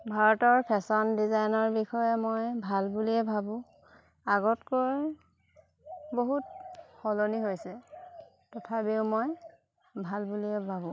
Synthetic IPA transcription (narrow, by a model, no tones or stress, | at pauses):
bʱaɹɔtɔɹpʰɛsɔndizajnɔɹbixɔjɛmojbʱalbuliɛbʱabʊ̃ | aɡɔtkoj | boɦutxɔloniɦojsɛ | tɔtʰabiʊmoj | bʱalbuliɛbʱabʊ̃